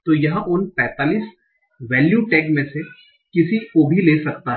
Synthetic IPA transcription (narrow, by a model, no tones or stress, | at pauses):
t̪ojɐɦʔʊnpɛ̃ːt̪aːliːs | ʋɛːljuːʈɛːkmẽse | kɪsikobʱileːsɐk̚t̪aɦ